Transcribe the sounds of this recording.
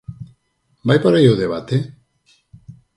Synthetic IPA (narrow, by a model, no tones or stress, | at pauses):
bajpaɾajowðeβat̪e